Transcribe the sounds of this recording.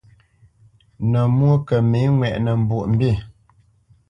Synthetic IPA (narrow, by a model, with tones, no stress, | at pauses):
nə˨mwo˦kə˨mi˨˦ŋwɛ˨ʔnə˨m̩˨bu˨ʔm̩˦bi˦˨